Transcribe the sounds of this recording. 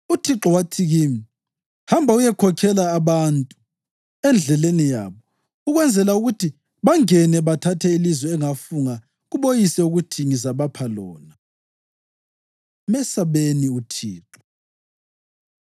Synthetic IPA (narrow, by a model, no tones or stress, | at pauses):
utʰiǁɔwatʰiɣimi | hambʱaujɛkʰɔkʰɛlaːβantʼu | ɛnd͡ɮʱɛlenija̰βɔ | uɣwɛnd͡zʱɛlauɣutʰi | βaŋɛnɛβatʰatʰɛilizwɛːŋafuŋa | ɣuβojisɛuɣutʰiŋizaβapʰalɔːna | mɛsaβeniutʰiːǁɔ̥